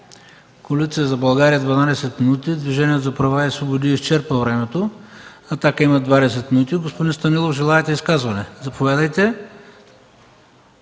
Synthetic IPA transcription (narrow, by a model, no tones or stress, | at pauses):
kolit̪siəzɐbɐlˠɡaɾijəd̪vɐnad̪ɛsɛt̪minut̪id̪viʒɛnʲiɛt̪zɐpɾɐvaɛsvobod̪iʃt͡ʃɛɾpəvɾɛmɛt̪o | ɐt̪akəimɐd̪vad̪ɛs̬ɛt̪minut̪iɡospod̪inst̪ɐnilˠoʒɛlˠaɛt̪ɛiskazvɐnɛzɐpovʲjad̪əjt̪ɛ